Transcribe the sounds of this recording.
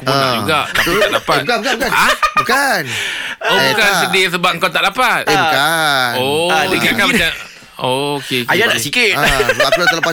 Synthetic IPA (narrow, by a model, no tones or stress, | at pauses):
punad͡ʒuɡaaaʔlapat̪kabukabukanabukanobukansədisəbaŋkawt̪aʔlapat̪̚ekaodikakambət͡ʃa | okeajadaʔsikɪt̪aulat̪alapa